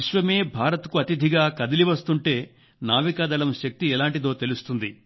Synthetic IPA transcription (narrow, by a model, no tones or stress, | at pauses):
iʃʋɐme̞ːbʱaːɾɐt̪kuɐt̪id̪ʱiɡaːkɐd̪ɐliʋɐst̪uɳʈe̞ː | naːʋikɐːd̪ɐlɐmʃɐk̚t̪iɛlaːɳʈid̪oːt̪e̞lust̪und̪i